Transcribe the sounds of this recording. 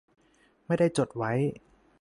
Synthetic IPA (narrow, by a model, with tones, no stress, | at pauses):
ma˥˩jda˥˩jt͡ɕo˨˩t̪̚wa˦˥j